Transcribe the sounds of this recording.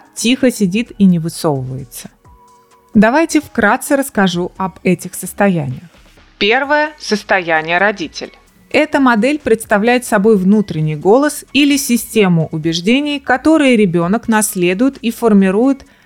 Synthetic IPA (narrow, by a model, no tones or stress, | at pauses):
tʲixəsʲɪdʲit̪inʲɪvɨso̞vəvəjɪt̪sə̥ | d̪ɐvajtʲɪfkɾat̪sɨɾəskɐʐuʔɐbɛtʲɪxsəst̪ɐjænʲɪjəx | pʲe̞rvəjəsəst̪ɐjænʲɪjəɾɐdʲitʲɪ̰lʲ | ɛt̪əmɐd̪ɛlʲpɾʲɪt̪st̪ɐvlʲæjɪt̪sɐbo̞jvnut̪ɾʲɪnʲɪjɡo̞lˠəsilʲɪsʲɪsʲtʲe̞mʊʔʊbʲɪʐdʲenʲɪjkɐt̪o̞ɾɨjəɾʲɪbʲo̞nəknɐsʲlʲe̞d̪ʊjɪt̪ifərmʲɪɾujɪt̪